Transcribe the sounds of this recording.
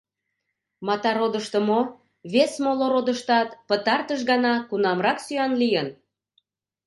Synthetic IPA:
mɑt̪ɑɾod̪əʃt̪ə̆mo | βesmoloɾod̪əʃt̪ɑt̪pət̪ɑrt̪əʃ̬ɣɑnɑkunɑmrɑksyɑnlijən

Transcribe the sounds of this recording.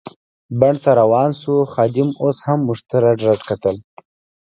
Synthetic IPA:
baɳɖt̪aɾawɑːnsuxɑd̪ɪmoshamːʊʐt̪əɾaɖɾaʈkat̪əl

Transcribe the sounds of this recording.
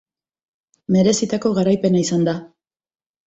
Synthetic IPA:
me̞ɾe̞sit̪ako̞ɣaɾajpe̞naisand̪a

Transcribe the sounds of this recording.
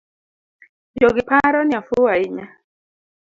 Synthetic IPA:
boɡɪpaɾɔnjafʊaɪɲa

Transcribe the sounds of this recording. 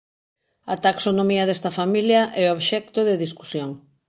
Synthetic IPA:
ɐt̪aksonomiɐðɛst̪ɐfamiljɐʔɛoβʃɛk̚t̪oðɪðisku̥sjoŋ

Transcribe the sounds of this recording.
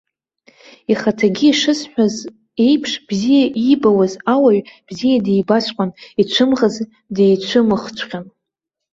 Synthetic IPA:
iχatʰaɡʲiiʂɨsħʷᶣaz | e̞jpʰʂb̥zijaʔibawazawaɥb̥zijadejbasʷʰʼqʷʼanit͡ʃʷʰɨmʁaz | dejt͡ʃʷʰɨmɨχt͡ʃʷʰqʲan

